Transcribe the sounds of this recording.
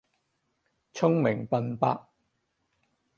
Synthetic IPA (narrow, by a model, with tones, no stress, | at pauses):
t͡sʰʊ˥ŋmɪ˨˩ŋpɐ˧npa̰ː˥k̚